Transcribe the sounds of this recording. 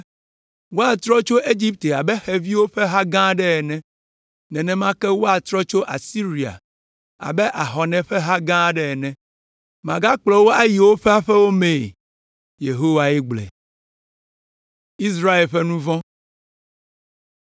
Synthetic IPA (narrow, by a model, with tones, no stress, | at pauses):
wo˦a˨t̪ɾɔ˦t͡ʃo˦ʔe˦d͡ʒi˦p̚t̪e˨a˨bɛ˦xɛ˨vi˦wo˦ɸɛ˦ɦa˦ɡã˦ɖɛ˦ɛ˨nɛ̃˦ | nɛ̃˨nɛ̃˨mã˦kɛ˦wo˦a˨t̪ɾɔ˦t͡ʃo˦ʔa˨si˦ɾi˨a̰˨ | a̰˨bɛ˦ʔa˨ɦɔ˨nɛ̃˨ɸɛ˦ɦa˦ɡã˦ɖɛ˦ɛ˨nɛ̃˨ | mã˨ɡa˦k͡plɔ˨wo˦a˦ji˨wo˦ɸɛ˦a˦ɸɛ˦wo˦mẽ˨ | je˨ɦo˦wa˨ɛ˦ɡ͡blɛ̰˨ | i˦s̬ɾa˦e˨lɸɛ˦nũ˦vɔ̃˦